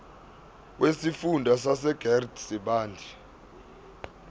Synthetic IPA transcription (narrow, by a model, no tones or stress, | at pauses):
wʔesifundʱasasɛɡ̥ʱɛrdsiɓaːndʱi